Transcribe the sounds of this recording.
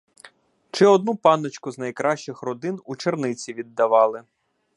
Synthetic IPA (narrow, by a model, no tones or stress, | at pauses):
t͡ʃɪɔd̪nupɑnɔt͡ʃkʊznɐjkɾɑʃt͡ʃɪxrɔd̪ɪnut͡ʃernɪt͡sʲiʋʲid̪ːɐʋɑlˠɪ